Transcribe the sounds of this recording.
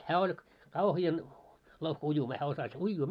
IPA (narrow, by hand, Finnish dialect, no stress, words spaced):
hæː olʲ kɑuhiɑn louhkɑ̆ ujumɑː hæː osɑs uijːuː